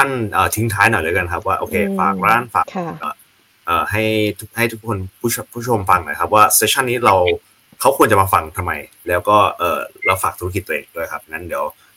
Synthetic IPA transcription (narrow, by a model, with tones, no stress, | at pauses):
t̪ʰa˥˩nʔəː˨˩t̪ʰi˦˥ŋt̪ʰaː˦˥jnɔ˨˩jlɯː˨˦jka˧nkʰa˦˥p̬̚waː˥˩ʔoː˧kʰeː˧faː˨˩k̚ɾaː˥˩nfa̰ː˨˩kʰʔɔː˧˩ | ʔɤː˨˩ɦa˥˩jt̪ʰu˦˥k̚ha˥˩jt̪ʰu˦˥kʰːo˧npʰuː˥˩˧pʰuː˦˥˩t͡ɕʰo˧mfa˧ŋnɔ̰˨˩˦jkʰa˦˥p̚waː˥˩seː˧˥t͡ɕʰa˥˩nːiː˦˥ɾa˧w | kʰa˦˥wkʰu˧ənt͡ɕa˨˩maː˧fa˧ŋt̪ʰa˧mːa˧j | lɛː˦˥wkɔː˥˩ʔɤː˨˩ɾa˧wfaː˨˩k̚t̪ʰu˦˥k̬i˨˩t̪ːʔeː˧ŋdu˥˩əjkʰa˦˥p̚ːna˦˥nd̪i˨˩˦w